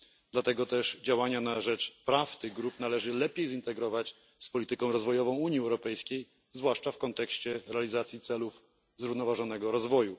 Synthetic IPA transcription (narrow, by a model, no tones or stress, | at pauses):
d̪̥lat̪ɛɡɔt̪ɛʂd͡ʑawaɲanaʐɛt͡ʂpɾaft̪ɘɣɡɾupnalɛʐɘlɛpʲjejzint̪ɛɡɾɔvat͡ɕ | spɔlʲit̪ɘkɔ̃w̃ɾɔzvɔjɔvɔ̃w̃uɲjiɛwɾɔpɛjskʲej | zvwaʂt͡ʂafkɔnt̪ɛkɕt͡ɕɛɾɛalʲizat̪sʲjit̪sɛluf | zɾuvnɔvaʐɔn̪ɛɡɔɾɔzvɔju